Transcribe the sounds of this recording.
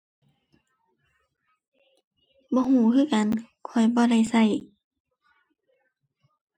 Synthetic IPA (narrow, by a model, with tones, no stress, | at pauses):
bɔː˧˦ɦuː˧˩˦kʰɯː˧˥˨ka˨nkʰɔ˧˩jbɔː˧˦da˧˩˨jsa˧˩j